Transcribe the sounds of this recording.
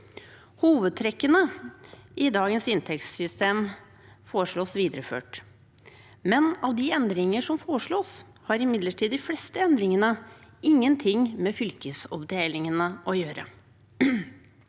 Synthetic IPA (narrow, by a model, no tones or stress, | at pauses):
huːʋəd̪̚t̪ʰɾɛkːənə | ʔɪd̪ɑːɡənsɪnt̪ʰɛkssʏst̪eːm | foːɾʂɭoːsʋiːd̪ɾəfø̰ːʈ | mɛnɑʋd̪ɪɛnd̪ɾɪŋəʂɔmfoːʂɭoːs | hɑɾɪmɪd̪ləʈʰiːd̪ɪflɛst̪əɛnd̪ɾɪŋənəɪŋːənt̪ʰɪŋmɛːfʏlkəsɔpd̪eːlɪŋənəʔɔjøːɾə̰